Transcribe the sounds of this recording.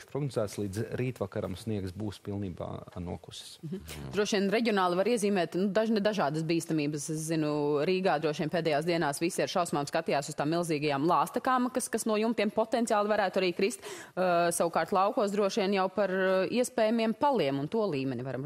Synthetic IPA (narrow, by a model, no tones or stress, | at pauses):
ʃpɾɔɡnozæːt̪slˠiːd̪zɾiːt̪ʋakaɾa̰msniɛksbuːspilˠniːba̰ːnṵɔku̥sɪ̥s̩d̪ɾuɔʃiɛnɾɛɟʲiɔnaːlˠivaɾiɛziːmɛːt̪nud̪aʒnɛd̪aʒaːd̪ɐsbiːst̪amiːbəsɛszinuɾiːɡaːd̪ɾuɔʃiɛnpeːd̪ɛjaːsd̪iɛnaːsʋisiaɾʃawsmaːmskat̪ijaːsʊz̥st̪aːmːilˠziːɡɐjaːmlˠɑːst̪ɐkaːmkaskasnuɔjumt̪iɛmpɔt̪ɛnt̪ʲiaːlˠivaɾæːt̪uaɾiːkɾist̪sawukaːɾt̪lˠɑwkuɔsd̪ɾuɔʃiɛnjawpaɾiɛspɛːjamiɛmpalˠiɛmunt̪uɔlˠiːmɛnivaɾɐm